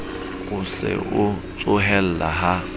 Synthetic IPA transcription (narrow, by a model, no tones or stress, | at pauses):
ʊsɪ̰ʊt͡sʼʊɦɛl̩laɦa